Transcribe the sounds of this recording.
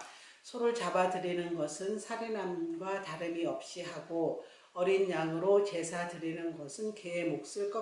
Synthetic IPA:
sʰʌɾuɭt͡ɕabadɯɾinɯnɡʌsʰɯnsʰaɾenanɡwataɾɯmiʌp̚ɕ͈iɦaɡo | ʌɾinjaŋɯɾot͡ɕe̞sʰadɯɾinɯnɡʌsʰɯnkemok̚s͈ɯɭk͈ʌ

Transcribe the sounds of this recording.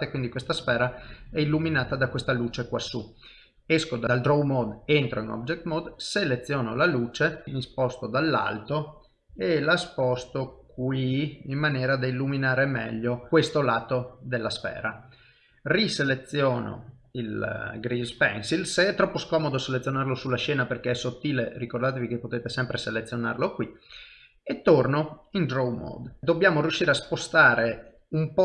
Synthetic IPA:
ekwind̪ikwest̪asfɛːɾaɛilːuminaːt̪ad̪akwest̪aluːt͡ʃekwasːu | eskod̪aald̪ɾowmɔd̪ent̪ɾoinɔ̰bd͡ʒek̚t̪mɔd̪selet̪sːjɔːnolaluːt͡ʃenispɔst̪od̪alːa̰lt̪o | elaspɔst̪okwiimːanjɛːɾad̪ailːuminaːɾemɛ̰ʎːokwest̪olaːt̪od̪elːasfɛ̰ːɾa | riselet̪sːjɔːno̰ | ilɡɾizpɛ̰nsilseɛt̪ːɾɔpːoskɔːmod̪oselet̪sjonarlosulːaʃɛːnaperkeɛsːot̪ːiːlerikord̪aːt̪evikepːot̪eːt̪esɛmpɾeselet̪sːjona̰rlokwi | et̪ːornoind̪ɾowmɔ̰d̪d̪obːjaːmoɾjuʃːiːɾeaspost̪aːɾe | umpɔ

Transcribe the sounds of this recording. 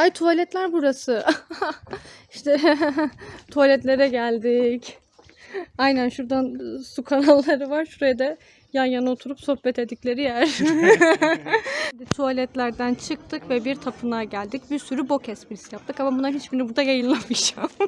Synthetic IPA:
ajt̪ʰualʲɛt̪lʲæɾbuɾasɯ | iʃt̪ʰɛ | t̪ʰualʲɛt̪lʲe̞ɾɛɟælʲd̪ic | ajnænʃuɾd̪ansukʰanalˠːaɾɯvaɾʃuɾajad̪ɛ | janjanaot̪ʰuɾupsohbɛt̪ʰed̪iclʲe̞ɾijæɾ̥ | d̪ɛt̪ʰualʲɛt̪lʲæɾd̪ænt͡ʃʰɯk̚t̪ʰɯkvɛbiɾt̪ʰapʰɯnaɟælʲd̪icbiɾsyɾybo̞cʰɛspiɾisijap̚t̪ʰɯkamabunaɦit͡ʃbinibuɾd̪ajajɯnlːˠamid͡ʒam

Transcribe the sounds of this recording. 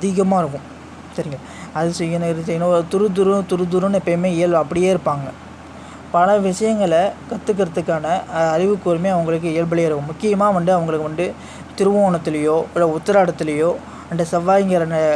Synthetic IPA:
ɐðɪɣɐmaːɪɾɯkːʊ̃m | sɐɾɪŋɡɐ | ɐðɯsɐjɐnɾsɛjnõt̪ʊɾɯd̪ʊɾɯt̪ʊɾɯd̪ʊɾɯnɛpːɐjmeːɪjɐɭɐpːɐɽɪjeːɪɾɯpːaːŋɡɐ | pɐlɐʋɪʂɐjɐŋɡɐɭɐkɐt̪ːɯk̬ːɪɾɐðɯkːaːnɐːɾɪʋɯkːoɾɯmeːɐʋɐŋɡɐɭɯk̬ːɯɪjɐɭbɐɭɪjːɪɾɯkːʊ̃mːʊkːɪjɐmaːʋɐnɖ̪ɯɐʋɐŋɡɐɭɯkːɯʋɐnɖ̪ɯ | t̪ɪɾɯʋɐoːɳɐt̪ːɪlɐjoːɪlɐʊt̪ːɐɾaːɽɐt̪ːɪlɐjoː | ɐnd̪ɐsɐʋaːjɐŋɡɐɾɐnɐ

